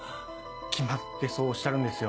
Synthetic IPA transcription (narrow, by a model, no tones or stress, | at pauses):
kʲʰimat̪ːe̞so̞ːɕːaɾɯ̟̃nd̪e̞sɨjo